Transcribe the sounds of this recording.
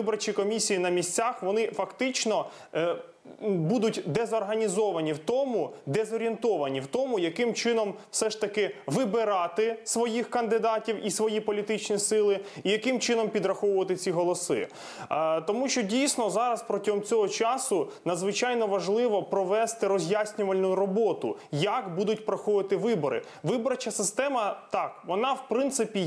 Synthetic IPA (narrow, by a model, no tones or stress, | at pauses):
ɪbɔɾt͡ʃʲikɔmʲisʲijinɐmʲisʲt͡sʲaxʋɔnɪfɐkt̪ɪt͡ʃnɔ | bud̪ʊtʲd̪ɛzɔrɦɐnʲizɔʋɐnʲiwt̪ɔmʊd̪ɛzɔɾʲient̪ɔʋɐnʲiwt̪ɔmʊjɐkɪmt͡ʃɪnɔmfsɛʃt̪ɐkɪʋɪbɪɾɑt̪ɪsʋɔjixkɐnd̪ɪd̪ɑtʲiwisʋɔjipɔlʲit̪ɪt͡ʃnʲisɪlˠɪijɐkɪmt͡ʃɪnɔmpʲid̪ɾɐxɔʋʊʋɐt̪ɪt͡sʲiɦɔlˠɔsɪ̰ | t̪ɔmuʃt͡ʃɔdʲijsʲnɔzɑɾɐspɾɔtʲɔɦɔmt͡sʲɔɦɔt͡ʃɑsʊnɐd̪zʋɪt͡ʃɑjnɔʋɐʒlˠɪʋɔpɾɔʋɛst̪ɪɾɔzʲjasʲnʲʊʋɐlʲnʊɾɔbɔt̪ʊ̰jɐkbud̪ʊtʲpɾɔxɔʋɪt̪ɪʋɪbɔɾɪ̰ | ʋɪbɔɾɐt͡ʃɐsɪst̪ɛmɐt̪ɑkʋɔnɑwpɾɪnt̪sɪpʲi